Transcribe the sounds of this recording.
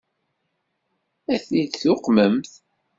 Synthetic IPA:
æθid̪θʊqməmθ

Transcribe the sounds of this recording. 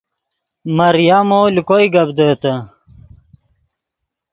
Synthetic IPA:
mɐɾjamoːlikojɡɐbd̪əːt̪ə

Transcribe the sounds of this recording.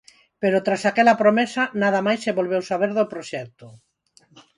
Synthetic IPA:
peɾʊt̪ɾasakɛlɐpɾomɛsanaðɐmajsːeβolβewsaβ̞eɾðopɾoʃɛk̚t̪ʊ

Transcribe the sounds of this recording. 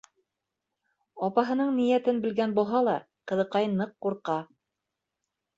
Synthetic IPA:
ɑpɑɦɤ̆nɤɴnijæt̪ɘnbɘ̆lɡænbulˠɦɑlˠɑ | qɤ̆ðɤ̆qɑjnɤqːuɾqɑ

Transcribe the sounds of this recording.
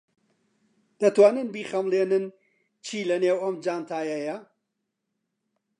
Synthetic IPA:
d̪̥ɐt̪waːnɨnbiːχɐmlˠeːnɨn | t͡ʃʰiːlɐneːwɐmd͡ʒaːnt̪ʰaːjɐjɐ

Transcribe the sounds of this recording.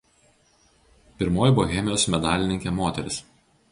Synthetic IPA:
pʲɪɾmoːjboɣʲɛmʲɪjoːsmʲɛd̪ɑːlʲɪnʲɪŋʲkʲeːmoːt̪ʲɛɾʲɪs

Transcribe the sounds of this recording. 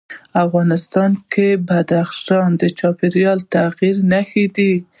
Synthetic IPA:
afɣɑnɪst̪ɑnkebad̪axʃɑnd̪ət͡ʃɑpiɾjɑlt̪aɣiɾnaxid̪i

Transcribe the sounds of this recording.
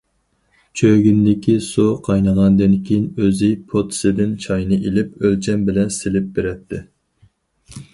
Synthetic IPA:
t͡ʃʰøɡʲynd̪ɪkʲʰisoqʰɑjnəʁɑnd̪ɪnkʲʰejinøzɪpʰot̪ʰsɪd̪ɪnt͡ʃʰɑjnɨʔelɪpølt͡ʃʰɛmbɪlɛnsɪlɪp̚beɾɛt̪ʰːɪ

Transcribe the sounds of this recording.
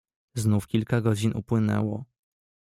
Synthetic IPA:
znufkʲilkaɡɔd͡ʑinṵpwɘnɛ̰wɔ

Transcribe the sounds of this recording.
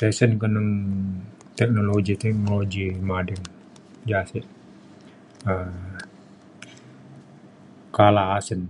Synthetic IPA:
tɛsənkənən | t̪ɛk̚nolod͡ʒit̪ɛk̚nolod͡ʒimadɛŋ | d͡ʒasɛʔ | ə | kalaasən

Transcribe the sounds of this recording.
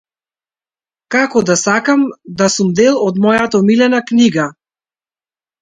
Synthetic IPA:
kakɔd̪asakamd̪asumd̪ɛlˠɔd̪mɔjat̪amilɛnakniɡa

